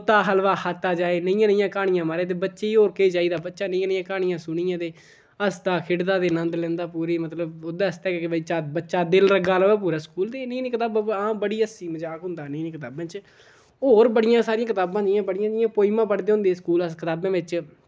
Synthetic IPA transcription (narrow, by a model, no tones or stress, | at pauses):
t̪aːɦəlʋaːhət̪ːaːd͡ʒaːeːnəĩːãːnəĩjãːkaːɽ̃ɪjãːmaːɾeːt̪̬eːbətːʃeːiːoːɾkeiːt͡ʃaːiːd̪aːbətːʃaːnə̃ĩːãːnə̃ãːkaːɽ̃ɪjãːsʊɽ̃ɪjãːd̪eː | əst̪aːkʰɪɽd̪ãːt̪eːnənd̪lɛ̃ːnd̪aːpuːɾeːmət̪ləbod̪aːst̪ɛːkekɪbəiːt͡ʃaːbətːʃaːd̪ɪlɾəɡaːlːʋɛːpuːɾaːskuːld̪eːnəĩːnĩːkɪt̪aːbbãːbəɽiːəsiːməd͡ʒaːkɦʊ̃nd̪aːnəĩːnĩːkɪt̪̬aːbãːt͡ʃ | oːɾbəɽɪjãːsaːɾɪjãːkɪt̪aːbãːd͡ʒ̪ɪjãːbəɽɪjãːd̪ɪjãːpoːiːmãːpəɽd̪eːɦʊ̃ːnd̪eːskuːləskɪt̪aːbãːʋɪt͡ʃ